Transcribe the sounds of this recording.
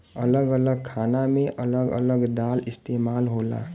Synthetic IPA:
ələɡələɡ̚kʰanameʔələɡə̰ləɡd̪alɪst̪eːmaːlɦola̰

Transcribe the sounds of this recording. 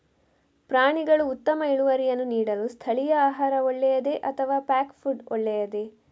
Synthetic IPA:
pɾaːɳiɡɐɭuːt̪ːɐmɐiɭuʋɐɾijɐnːuniːɽɐlust̪ʰɐɭijɐaːɦaːɾɐɔɭːɛjɐd̪e̞ʔɐt̪ʰɐʋaːpaːkfʰuɖɔ̰ɭːɛjɐd̪e̞

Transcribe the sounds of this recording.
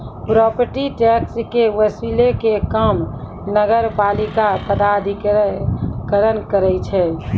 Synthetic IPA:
pɾɔpəɾʈiʈɛkskeʋəsilekekəm | nəɡəɾpalikapəd̪ad̪ʱi | kəɾənkəɾɛt͡ʃʰɛ

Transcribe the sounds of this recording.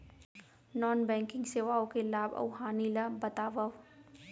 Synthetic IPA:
nɔːnbɛ̃ːŋkɪ̃ŋɡseʋaːõkelaːbɐ̰wɦaːnilabɐt̪aːʋɐw

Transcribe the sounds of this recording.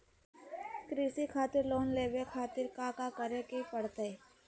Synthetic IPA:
kɾiːsikʰaːt̪ɪɾloːnleːʋekʰaːt̪ɪɾkakakəɾekipəɽ̤t̪ee

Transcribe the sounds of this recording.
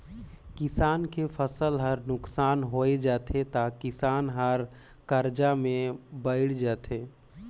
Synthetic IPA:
kɪsaːnkepʰəsəlɦəɾnʊksaːnɦoed͡ʒaːt̪ʰet̪akɪsaːnɦəɾ | kəɾd͡ʒamẽbəɪɽd͡ʒaːt̪ʰeː

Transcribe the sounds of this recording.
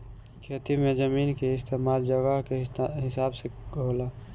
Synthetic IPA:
kʰeːt̪imẽd͡ʒəmiːnkeɪst̪eːmaːld͡ʒəɡəɦkeɦɪsaːbseɡʱoːlaː

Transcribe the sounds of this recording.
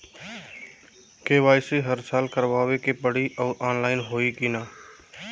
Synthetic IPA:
keːʋaːɪseɦəɾsaːlkəɾʋaːʋekepəɽiʔɔːɾʔaːnlaːɪnɦoːikinaː

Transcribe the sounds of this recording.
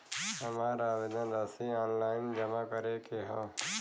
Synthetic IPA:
ɦɐmaːɾaːʋed̪ənɾɐsiɔːnlaːɪnd͡ʒɐmakəɾekeɦɔ̃ː

